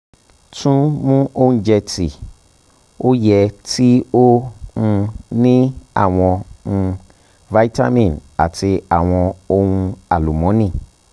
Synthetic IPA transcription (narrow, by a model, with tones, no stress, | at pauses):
tũ˦mũ˦õ˦d͡ʒɛ˧ti˨ | o˦jɛ˧ti˦o˦ũ˧nĩ˦a̰˦˨w̃ɔ̃˧ũ˧ | va˦i˦ta̰˦mĩ˨na̰˨tʰi˧a˨w̃ɔ̃˧o˧wũ˧a˨lu˨mɔ̃˨˦nĩ˦˨